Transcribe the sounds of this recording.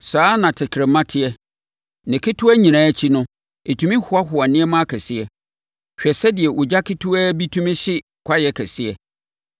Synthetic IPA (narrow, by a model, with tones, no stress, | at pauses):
saː˦nã˨tʰɪ˨kʰɾɛ̃˨mã˦tʰɪ˦ɛ˦ | nɪ̃˨kʰɪ˦tʰʊ˦æ˦ɲĩ˨nãː˨˦t͡ɕʰi˦nʊ̃˦ | e˨tʰũ˦mĩ˦hʊ˨˦a˦hʊ˨a˨nɪ̃˦ɛ˦mã˦a˦kʰɛ˨sɪ˦ɛ˦ | ɕᶣɛ˨sɛ˦dɪ˨ɛ˨ʔɔ˨d͡ʑa˦kʰɪ˦tʰʊ˦æ˦bi˦tʰũ˦mɪ̃˦ɕɪ˦ | kʰʷa˦jɛ˨kʰɛ˨sɪ˦ɛ˦